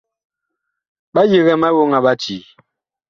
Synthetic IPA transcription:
ɓa˦ji˨ɣɛ˨ma˦wo˦ŋa˨ɓa˦t͡ʃi˨

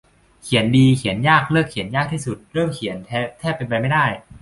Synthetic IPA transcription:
kʰi˨˩˦əndiː˧kʰi˨˩˦ənjaː˥˩k̚lɤː˥˩kʰːi˨˩˦ənjaː˥˩k̚t̪ʰiː˥˩su˨˩t̪̚ɾɤː˥˩mkʰi˩˦ənt̪ʰːt̪ʰɛː˥˩pːe˧npa˧jma˥˩jdaː˥˩j

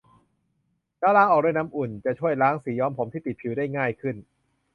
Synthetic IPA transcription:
taː˧˥wlaː˦˥ʔɔː˨˩k̚duː˧˨jna˦˥mʔu˨˩nt͡ɕa˨˩t͡ɕʰu˥˩əjlaː˦˥ŋsiː˩˦jɔː˦˥mpʰo˩˦mt̪ʰiː˥˩t̪i˨˩t̪̚pʰi˩˦wda˥˩jŋaː˥˩jkʰɯ˥˩n

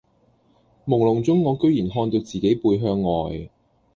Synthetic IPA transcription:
mʊ˨˩ŋlʊ˨˩ŋt͡sʊ˥ŋːɔː˨˧kɵ˥ɥjiː˨˩nɦɔː˧nt̪o˧wt͡siː˨ke˨˥jpuː˧jɦœː˧ŋːɔː˨j

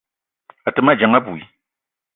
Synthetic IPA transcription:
a˨tɨ˨ma˦˨d͡ʒa˨ŋa˦bu˨i˨

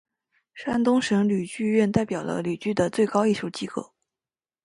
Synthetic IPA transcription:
ʂa˥nt̪ʊ˥ŋʂɤ˧˥ŋly˨˩t͡ɕy˥˧ɥɛ˥˧nt̪a˥˩ɪpjɑ˨˩ʊlə̰˦ly˨˩t͡ɕy˥˩d̪ə˩t͡swe˥˩ɪkɑ˥ʊi˥˩ɕju˧˥t͡ɕi˥kɤ̰˥˩

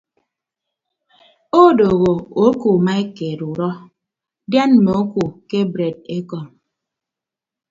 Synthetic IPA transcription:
o˦do˨ɣo˨o˦ku˨ma˦e˦ke˨ɾu˨ɾɔ˦ | dja˦nme˨o˦ku˨ke˦bɾe˨de˦kɔ˨ŋ

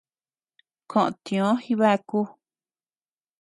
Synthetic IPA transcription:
kʰõ˨ʔõ̰˨t̪ĩ˧˨õ˨˦xi˦βa˦ku˦

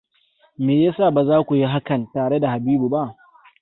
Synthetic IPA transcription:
meː˨ja˦saː˦˨ba˨zaː˦kʷu˨ji˦ɦa˦kɐ˨ntaː˨ɽe˦da˨ha˨biː˦bu˨ba˦ʔ

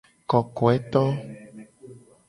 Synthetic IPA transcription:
kɔ˨kɔ˨ɛ˦t̪ɔ˦

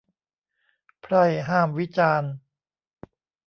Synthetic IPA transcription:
pʰɾa˥˩jɦaː˥˩mwi˦˥t͡ɕaː˧n

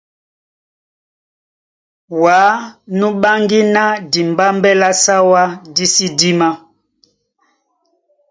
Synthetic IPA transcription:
wa˨˦nũ˦ɓa˦ŋɡi˦na˦di˨mba˦mbɛ˦la˦sa˦wa˦di˦si˦di˦ma˦

